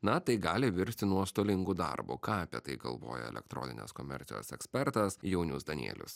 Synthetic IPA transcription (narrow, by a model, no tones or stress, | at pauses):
nɐt̪ɐɪɡɑːlʲɪʋʲɪɾʲsʲt̪ʲɪnuɔst̪oːlʲɪŋɡʊd̪ɑ̰ɾbṵkɑːɐpʲiɛt̪ɐɪɡɐ̰lˠʋo̰ːjɛ̰ɛ̰lʲɛ̰k̚t̪ɾo̰ːnʲɪ̰nʲḛːskoːmʲɛ̰ɾʲt̪sʲɪ̰jo̰ːsɛksʲpʲɛɾt̪ɐsjɛʊnʲʊsd̪ɐnʲḭɛlʲʊ̰s